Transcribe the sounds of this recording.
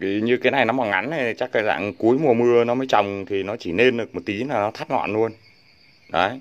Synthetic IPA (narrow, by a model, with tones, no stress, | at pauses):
ki˨˩ɲɨ˧kaː˨˦na˨˩jnɔ˨˦mɔ˨˩nŋa˨˦n˨˩˨t͡ɕa˦˥k̚ːəː˧˩za̰ː˧˨ŋku˨˦əjmu˨˩əmɨ˧ənɔ˨˦məː˨˦jt͡ɕə˨˩wŋ͡mt̪ʰi˨˩nɔ˨˦t͡ɕi˧˩ne˧nɗɨ˨˩ək̚mo˨˩t̚t̪i˨˦laː˨˩nɔ˨˦t̪ʰa˦˥t̚ŋɔ̰˧˨nlu˧ən | ɗɔ˨˦